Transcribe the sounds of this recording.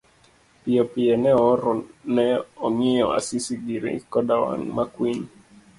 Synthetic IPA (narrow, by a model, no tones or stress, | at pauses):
piɔpiɛnɛɔɾɔnɛɔmiɔa̰sisiɡiɾḭkɔdawa̰ŋmakwin